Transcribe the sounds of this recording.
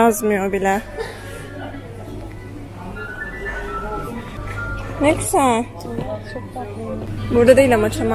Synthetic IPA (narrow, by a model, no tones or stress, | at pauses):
azmɯjobilʲɛ | neksɛ | buɾd̪ad̪ejilʲamat͡ʃʰama